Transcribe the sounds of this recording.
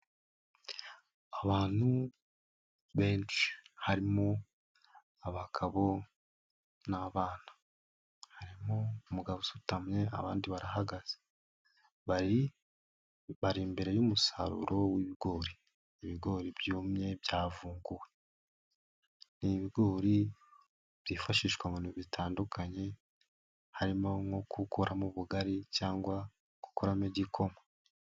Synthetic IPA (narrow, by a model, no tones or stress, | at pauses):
aβaːn̥hu | βe̞ːnt͡ʃi̥haɾimo | aβakʰaβo̞ | naβaːna | haɾimoumuɡaβosutamɲe̞a̰βaːndiβaɾaɦaɡaz̥e̥ | βai | βaɾimbe̞ɾe̞juːmusa̰ɾṵɾo̞wiβiɡo̞ːɾiː | βiɡo̞ɾibjuːmɲe̞bjaːvuːŋɡuwe̞ | niβiɡo̞ːɾi | b̥jifaʃiːʃkwaminuβitʰaːndukʰaɲe̞ | haɾimoŋokʰukuɾʔamuβuɡaɾicaːŋɡwa | ɡ̥u̥koɾameɟikʰo̞mwe